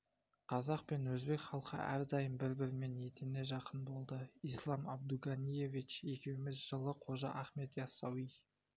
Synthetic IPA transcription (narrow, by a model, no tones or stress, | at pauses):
qʰɑzɑq̚pe̞nwɵzbe̞kχɑlˠqʰə̰æ̰ɾd̪ɑjəmbɪɾbɪɾɪme̞ne̞t̪ʰene̞ʒɑqənbo̞lˠd̪əijslˠɑmɑb̚d̪uɡɑnʲije̞vit͡ʃje̞kʲe̞wɪmɪzʒəlˠəqʰo̞ʒɑʔɑχme̞t̪jɑsɑwij